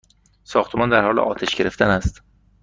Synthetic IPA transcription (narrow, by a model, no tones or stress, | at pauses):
sɒːxt̪ʰemɒːnd̪æɾhɒːlḛʔɒːt̪ʰeʃɟe̞ɾeft̪ʰænæst̪